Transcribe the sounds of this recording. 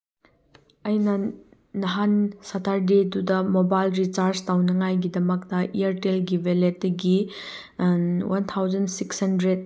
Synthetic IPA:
ɐjnɐː | ɐɦansatʰaɾdidudɐmobajlɾit͡ʃaɾstawnɐŋajɡidɐmɐk̚tɐʔiaɾtelɡiveletːiɡi | wʔɐnt̪ʰawd͡ʒɐnsikshɐndɾed̚

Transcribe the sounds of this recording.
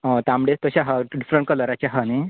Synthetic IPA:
õt̪ãmɽet̪əɕaɦaɖifɾeɳʈ̚kələɾat͡ɕaɦəne

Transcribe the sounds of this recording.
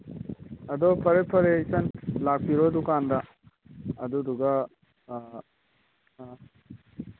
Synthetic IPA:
ɐd̪ɔpʰɐɾepʰɐɾeisɐnlak̚piɾod̪ukand̪a | ɐd̪ɔd̪uɡa

